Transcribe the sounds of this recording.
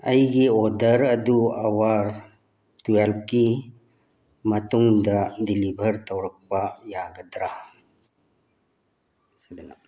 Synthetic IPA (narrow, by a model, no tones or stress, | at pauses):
ɐjɡiɔdəɾɐd̪uawaɾ | tuelp̚ki | mɐt̪uŋd̪adilibʱəɾt̪ɐwɾək̚pajaɡɐd̪ɾa | sid̪ina̰